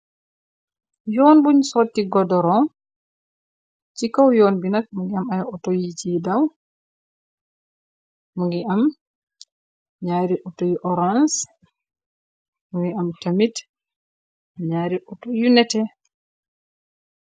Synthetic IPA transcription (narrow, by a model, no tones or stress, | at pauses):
jɔːnbuɲsɔotːiɡɔdɔɾɔ | t͡ʃikawjonbinakmuŋɡiamajaɔtojit͡ʃidaw | muŋɡiam | ɲaɾiʔɔtojuʔɔɾans | muŋɡiamtamit | ɲaːɾiʔɔtojunɛtɛ